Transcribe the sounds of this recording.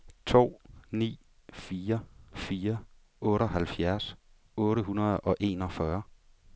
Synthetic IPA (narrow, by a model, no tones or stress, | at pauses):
t͡sʰo̝̰ːnḭː | fiːɐfiːɐ | ɔ̽ːɾɒɦælfjæɐs | ɔ̽ːɾəɦunɐð̞̩ˠɒ̽ʔe̝ːnɒ̽fɶɐ